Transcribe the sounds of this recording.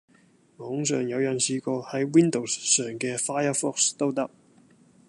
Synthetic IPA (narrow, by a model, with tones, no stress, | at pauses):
mɔː˨˥ŋs̬œ̰ː˨˩ŋjɐ˨˧wjɐ˨˩nsiː˧˥kɔ˧hɐ˨˥jwi˥nd̪o˨˩wsːœː˨˩ŋkɛ˧faː˥jə˥fɔ˥kst̪o˥wt̪ɐ˥k̚